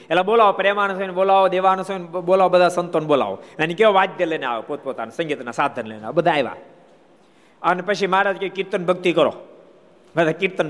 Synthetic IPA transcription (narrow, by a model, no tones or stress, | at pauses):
ɛlːaboːlaːʋopɾeːmaːɳɐsɐnboːlaːʋod̪eːʋaːnɐsonboːlaːwbɐd̪aːsɐnt̪oːnboːla̰ːʋo̰nɐnikeʋaːd̪jɐlena̰ːwopoːt̪̚poːt̪a̰ːnsɐŋɡiːt̪ɐnasaːd̪ʱɐnɐlḛːna̰ːbɐd̪aːjʋa̰ː | ɐnːɨpɐʃ̬imaːɽaːd̪kʲekiɾt̪ɐnbʱɐk̚t̪ikɐɾo̰ː | ʋɐd̪akiɾt̪ɐn